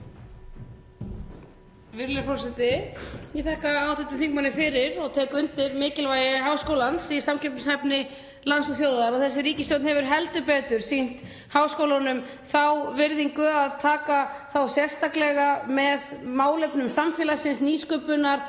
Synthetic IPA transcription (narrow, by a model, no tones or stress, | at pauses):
vɪɾlɪfɔɾsɛt̪ɪɛθɛhkaaːwθɛht̪ʏmθiŋkmanɪfɪɾɪɾɔɣt̪ʰɛːkʏnt̪ɪɾmɪːcɪlvajɪɦaːwskowlansisamcʰɛpnɪsɛpnɪ | lansɔθjowðaɾɔɣθɛsːɪɾiːcɪst̪ɔwt̪nhɦɛvʏɾ̥ɦɛlt̪ʏpɛːt̪ʏɾ̥sin̥t̪ | haːwskowlanʏm | θawvɪɾðiŋkʏaðt̪ʰaːkaθawsjɛ̥st̪ahklɛɣamɛðmaːwlɛpnʏmsamfjɛːlasɪnsniːskœpʏnaɾ̥